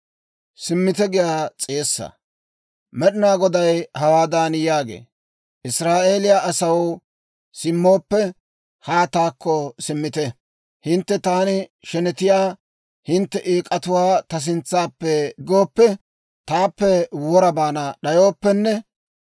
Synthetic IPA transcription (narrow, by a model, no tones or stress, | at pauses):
sɪmːɪt̪ɛɡɪjaːt͡sʼeːsːɐ̰ | mɛɗɪnaːɡɔd̪ɐjhɐwaːd̪aːnjaːɡḛː | ʔɪsɾaːʔe̞ːlɪjaʔɐsɐw | sɪmːoːpːɛ | haːt̪aːkːɔsɪmːɪt̪ɛ | hɪnt̪ːɛt̪aːnɪʃɛnɛt̪ɪjaː | hɪnt̪ːɛʔieːkʼɐt̪ʊwaːt̪ɐs̬ɪnt͡sːaːpːɛɡoːpːɛ | t̪aːpːɛwɔɾɐbaːnɐɗɐjoːpːɛnːɛ